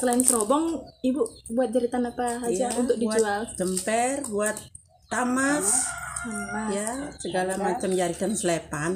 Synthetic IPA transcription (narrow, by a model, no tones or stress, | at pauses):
səlaɪnsəɾɔbɔŋibubuat̪̚d͡ʒaɾit̪anapaɦajd͡ʒaunt̪ʊk̚did͡ʒuald͡ʒəmpɛrbuat̪̚ː | amas | ijasəɡalamat͡ʃamd͡ʒaɾit̪ansəlepan